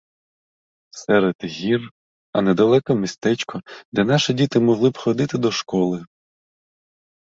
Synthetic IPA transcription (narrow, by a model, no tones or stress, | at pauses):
sɛɾed̪̥ɣʲir | ɐnɛd̪ɐlˠɛkɔmist̪ɛt͡ʃkɔd̪ɛnɑʃɪdʲit̪ɪmɔɦlˠɪbxɔd̪ɪt̪ɪd̪ɔʃkɔlˠɪ